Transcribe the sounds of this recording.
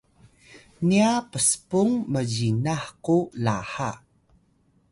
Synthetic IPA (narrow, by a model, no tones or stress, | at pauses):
niapəsə̥puŋməd͡ʑinaħqulaħa